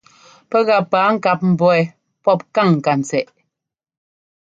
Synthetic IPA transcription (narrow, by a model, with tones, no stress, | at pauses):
pɛ˦ɣa˨paː˨˦ŋ̩˦˨ka˨p̚m̩˨bɔ˦ɛ˨ | pɔ˦p̚ka˦˨ŋŋ̩˨ka˨n̩˨t͡sɛ˨ʔ